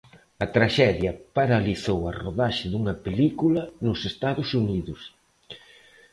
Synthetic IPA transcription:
ɐt̪ɾaʃɛðjɐpaɾaliθowɐroðaʃɪðuŋɐpelikulɐnʊsest̪aðʊsuniðʊs

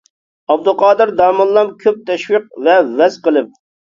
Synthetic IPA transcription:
ɑb̚d̪ʊlˠqʰɑːd̪ɨɾd̪ɑːmɨnˠlˠɑmkʲʰøp̚t̪ʰɛʃwiq̚vɛvɛzqəlˠɨp̚

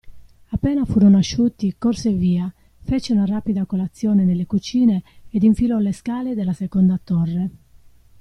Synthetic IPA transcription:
apːɛːnafuːɾonaʃːuːt̪ikorseviːa | fet͡ʃeunaraːpid̪akolat̪sːjɔːnenelːekut͡ʃiːneːd̪iɱfilɔleskaːled̪elːasekɔnd̪at̪ɔrːe

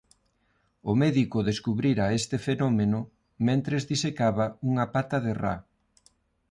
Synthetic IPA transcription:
ʊmɛðikʊðeskuβɾiɾaest̪efenomenʊ | mẽnt̪ɾezðisekaβɐuŋapat̪ɐðera̰

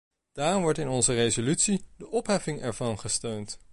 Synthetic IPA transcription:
d̥aːrmʋɔɹtɪnɔnzərezolytsidəʔɔpɦɛfɪŋɛɹvɑnχəstøɥnt

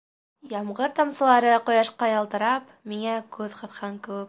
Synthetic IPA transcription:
jɑmʁɤɾt̪ɑmsɤ̆lˠɑɾɤqŏjɑʃqɑjɑlˠt̪ɤ̆ɾɑp | miŋækʉðqɤ̆θqɑŋkɘ̆wɘk̚

